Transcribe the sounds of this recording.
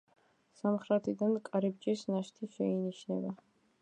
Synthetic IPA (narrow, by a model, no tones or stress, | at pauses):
samχɾat̪ʰid̪ankʼaɾib̚d͡ʒʼisnaʃt̪ʰiʃɛiniʃnɛ̰ba